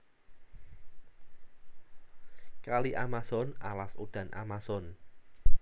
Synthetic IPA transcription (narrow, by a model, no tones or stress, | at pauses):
kaliʔamasɔnalasod̪̥ä̤nʔa̰masɔn